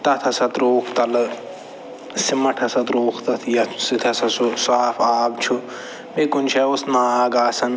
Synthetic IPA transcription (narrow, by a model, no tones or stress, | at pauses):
t̪ɐt̪ʰɐsɐt̪ɾoːkʰt̪ɐl | simɐʈʰɐsɐt̪ɾoːkʰt̪ɐt̪ʰjɐsit̪ʰɐsɐsusaːfaːbt͡ʃʰu | bekunʃʰɐosnaːaːɡaːsɐn